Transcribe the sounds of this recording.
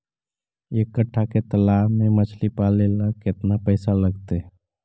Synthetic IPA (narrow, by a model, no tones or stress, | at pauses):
ekːəʈʰːaket̪əlaːbmẽmət͡ʃʰlipalelakɪt̪napəɪsaləɡt̪e